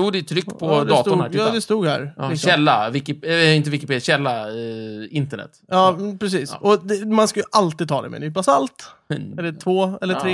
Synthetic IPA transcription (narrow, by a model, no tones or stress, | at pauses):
juːd̪ɛɛt̪ʰɾʏkːpʰɔd̪ɑːt̪ʊnhæɑːd̪ɛst̪uːɡhæ̰ɾɕɛlːavɪkɪɪnt̪əvɪkɪpʰeːd̪jɕɛlːa | ɪnt̪əɳɛ̰t̪ːjɑːpʰɾɛs̬iːsʔɔd̪ɛmanskajɵʔalt̪iːd̪̚t̪ʰɑːd̪ɛ̰mɛ̰nyːpasalt̪ɛlːətʰvoːɛlːəɾeː